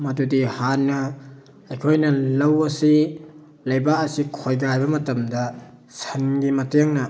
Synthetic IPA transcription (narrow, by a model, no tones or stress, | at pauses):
mɐdudihanːɐ | ɐjkʰojnɐlɐwɐsi | lɐjbaɐsikʰojɡajbɐmɐtɐmdɐ | sɐnɡimɐteŋnɐ